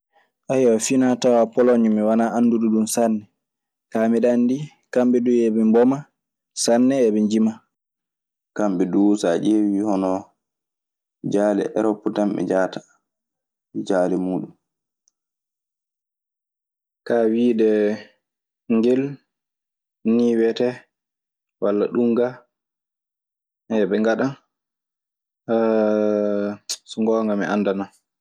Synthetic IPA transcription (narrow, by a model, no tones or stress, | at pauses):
ʔajafinatawapɔlɔɲumiwanaʔanːduduɗumsanːɛ | kamiɗandi | kambɛɗuɛbɛmbɔma | sanːɛːbɛɲd͡ʒima | kambɛɗuwsad͡ʒewihɔnɔ | d͡ʒaːlɛ̰ʔɛ̰ɾɔpːutambɛ̰d͡ʒaːtḁ | d͡ʒaːlɛmuːɗum | kawiːɗɛ | ŋɡel | niːwɛtɛ | walːaɗuŋɡa | ɛɓɛŋɡaɗan | suŋɡɔːŋɡamɛʔandana